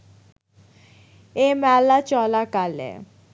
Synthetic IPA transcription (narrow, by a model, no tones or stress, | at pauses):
emɛlat͡ɕɔlakalḛ